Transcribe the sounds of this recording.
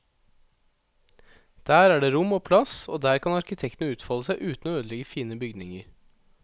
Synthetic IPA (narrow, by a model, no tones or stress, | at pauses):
d̪̥æːɾæːɖeːɾʊmoːpʰlɑso̰ːd̪æːɾkʰɑnɑɾkɪt̪ʰɛkt̪n̩əʉːt̪fɑləsæɪʔʉːt̪n̩oːøːd̪əlɛɡəfiːnəbʏɡd̪nɪŋəɾ